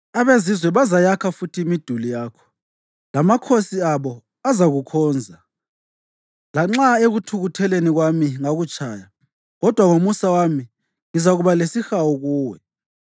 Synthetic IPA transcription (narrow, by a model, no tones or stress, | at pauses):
aβezizwɛβazajakʰafutʰiːmid̥ʱulijaːkʰɔ̥ | lamakʰosiaβɔ | azaɣukʰɔːnd͡zʱa | laŋ͡ǁaeɣutʰuɣutʰɛleniɣwamiŋaɣut͡ʃʰʼaːja | ɣɔd̥ʱwaŋomusawami | ŋizaɣuβalesixawɔɣuːwɛ